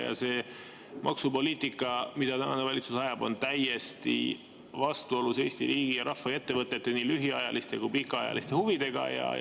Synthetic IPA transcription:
jɑ̰se̞ː | mʔɑ̰ksupo̞liːt̪ˑikːˑɑmid̪̥ɑt̪ænɑnevɑlit̪susɑjɑbo̞nt̪æje̞st̪ḭ | vɑst̪uo̞luse̞ːst̪iɾiːɡ̥ijɑɾʔɑhfːɑet̪ːe̞vɤt̪ːˑe̞t̪ːe̞niːlyɦiɑjɑlʔist̪e̞kujpikːˑɑɑjɑ̰list̪e̞huvid̪̥e̞ɡ̥ɑ̰jɑ̰

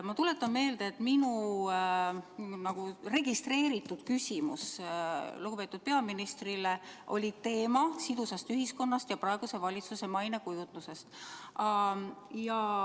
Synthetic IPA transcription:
mɑt̪ule̞t̪ːˑɑmme̞ːld̪eːt̪minu | nɑɡ̥ure̞ɡist̪re̞ːɾit̪ːˑud̪̥kysʲimṵs | luɡube̞ːt̪ːˑud̪̥̚pe̞ɑminist̪rile̞ʔo̞̰lʲit̪e̞ːmɑsid̪̥usɑst̪yɦisko̞nːɑst̪jɑpɾɑe̞ɡ̥use̞vɑlʲit̪suse̞mɑjnekujut̪nuse̞st̪ɑjɑ

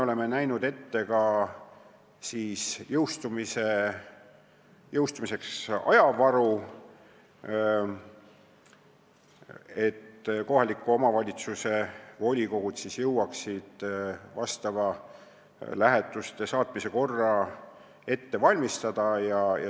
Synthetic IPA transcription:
eoleme̞næjnud̪̥e̞t̪ːe̞kɑ | siːsjɤwst̪umise | jɤwst̪umise̞ksɑ̰jɑvɑɾu | e̞t̪ːko̞ɦɑlikːuo̞mɑvɑlʲit̪suse̞vo̞lʲikoɡ̥ud̪̥sisjɤwːɑksid̪̥vɑst̪ɑvɑ | læɦe̞t̪ːˑust̪e̞sɑːt̪ˑmise̞ko̞rːɑ | e̞t̪ːe̞vɑlʲmist̪ɑd̪̥ɑjɑjɑ̰

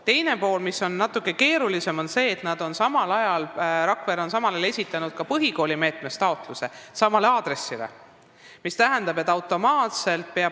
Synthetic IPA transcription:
t̪e̞jne̞po̞ːlmiso̞nːɑt̪ːˑukːˑe̞ke̞ːɾulise̞mo̞nse̞ːt̪nɑd̪̥o̞nsɑmɑlɑjɑlɾɑkveɾo̞nsɑmɑlele̞sʲit̪ːˑɑnud̪̥̚kɑpɤɦiko̞ːlʲime̞ːt̪ˑme̞st̪ɑo̞t̪ˑluse̞sɑmɑleɑːd̪ɾe̞sːilḛ | mist̪æɦænd̪ɑbe̞t̪ːˑɑwt̪ːˑo̞mɑːt̪se̞lt̪̚pe̞ɑ

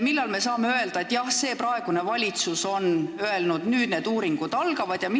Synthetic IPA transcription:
milːɑlme̞sɑːmeøe̞ld̪ɑe̞t̪ːjɑhse̞ːpɾɑeɡ̥une̞vɑlʲit̪suso̞nøe̞lnud̪̥nyːd̪̥ne̞d̪uːɾiŋɡ̥ud̪̥ɑlɡ̥ɑvɑd̪̥jɑmi

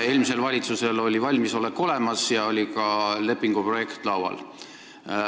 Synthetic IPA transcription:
e̞ːlmise̞lvɑlʲit̪suse̞lo̞lʲivɑlʲmiso̞lekːˑo̞le̞mɑsjɑo̞lʲikɑle̞pːˑiŋɡ̥upro̞je̞kt̪ˑlɑwɑ̰l

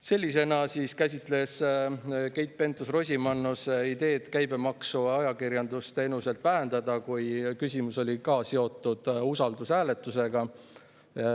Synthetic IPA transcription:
se̞lʲːise̞nɑsiskæsʲit̪ˑle̞s | ke̞jt̪̚pe̞nt̪ːˑusro̞sʲimɑnːusid̪e̞ːd̪̥kæjbemɑksuɑjɑkirjɑnd̪̥ust̪e̞ːnuse̞lt̪v̥æɦend̪̥ɑd̪̥ɑkujkysʲimuso̞lʲikɑːse̞o̞t̪ːˑud̪̥usɑld̪usæːle̞t̪ːˑuse̞ɡ̥ɑ

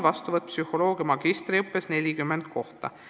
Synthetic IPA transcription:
vɑst̪uvɤt̪̚ːˑpsyho̞lo̞ːɡ̥ijɑmɑɡ̥ist̪riɤpːe̞sne̞lʲikymːend̪̥̚ko̞ht̪ɑ̰

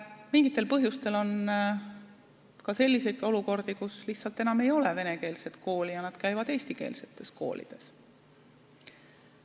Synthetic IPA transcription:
miŋɡit̪ːˑe̞lpɤɦjust̪e̞lo̞n | kɑse̞lʲːise̞jd̪̥o̞luko̞rd̪̥ikusliht̪sɑlt̪ːˑe̞nɑme̞jo̞le̞ve̞ne̞ke̞ːlse̞t̪ko̞ːlijɑnɑd̪̥kæjvɑd̪e̞ːsʲt̪ike̞̰ːlse̞̥t̪ˑːe̞sko̞̰ːlḭd̪̥e̞s

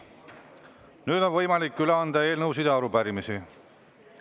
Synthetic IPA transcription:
nyːd̪̥o̞nvɤjmɑlikːyleɑnd̪ɑe̞ːlnɤws̬id̪eɑɾupæɾimisi

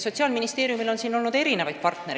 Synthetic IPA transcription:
so̞t̪ʲsiɑːlminist̪e̞ːɾjumilo̞nsiːno̞lnud̪̥e̞ɾine̞vɑjd̪̚pɑrt̪ne̞ɾ

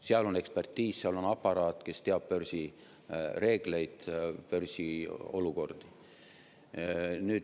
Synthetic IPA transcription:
seɑlo̞ne̞kspe̞rt̪ːˑiːsseɑlo̞nɑpːɑɾɑːt̪ˑke̞st̪e̞ɑb̥̚pørsi | re̞ːɡ̥le̞jd̪̥pørsio̞̰luko̞rd̪̥i | nyːd̪

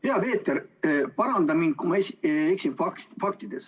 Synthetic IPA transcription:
heɑpe̞ːt̪ːˑeɾpɑɾɑnd̪ɑmin̚kumɑesieksinfɑkfɑk̚t̪id̪̥e̞s

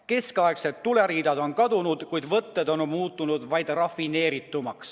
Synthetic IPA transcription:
ke̞skɑekse̞t̪ːule̞ɾiːd̪ɑd̪o̞nkɑd̪unud̪̥kujd̪̥vɤt̪ːe̞d̪o̞nmuːt̪ːˑunud̪vɑjd̪̥rɑfine̞ːɾit̪ːˑumɑks

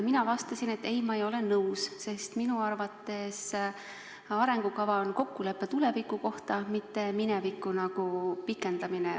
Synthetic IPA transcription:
minɑvɑst̪ɑsine̞t̪ːe̞jmɑejo̞le̞nɤwsse̞st̪minuɑrvɑt̪ːˑe̞s | ɑɾe̞ŋɡ̥ukɑvɑonko̞kːule̞pːe̞t̪ule̞vikːˑuko̞ht̪ɑmit̪ːe̞minevikːˑunɑɡ̥upikːˑe̞nd̪̥ɑmine

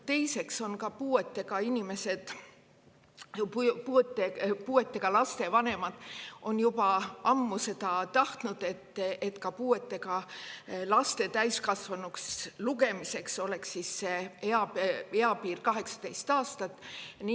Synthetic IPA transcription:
t̪e̞jse̞kso̞nkɑpuːe̞t̪ːe̞ɡ̥ɑinʲime̞se̞d̪̥ | put̪ːepuːe̞t̪ːˑe̞ɡ̥ɑlɑst̪e̞vɑne̞mɑd̪̥ʔo̞njub̥ɑɑmːuse̞d̪ɑt̪ɑht̪nud̪̥e̞t̪ːˑet̪kɑpuːe̞t̪ːe̞ɡɑ | lɑst̪e̞t̪æjskɑsvɑnuksluɡe̞mise̞kso̞le̞ksːisːeeɑe̞ɑpiːrkɑɦe̞ksɑ̥d̪e̞jst̪ɑːst̪ɑt̪ːni

